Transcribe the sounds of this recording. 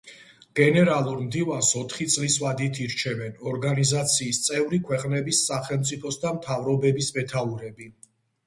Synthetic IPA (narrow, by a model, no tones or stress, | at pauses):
ɡ̥ɛnɛɾalˠuɾmd̪ivansɔt̪ʰχit̪sʼliswad̪it̪ʰiɾt͡ʃʰɛvɛnɔɾɡanizat̪sʰiːst̪sʼɛvɾikʰwɛqʼnɛbisːaχɛlˠmt̪sʼipʰɔsd̪amt̪ʰavɾɔbɛbismɛt̪ʰauɾɛbi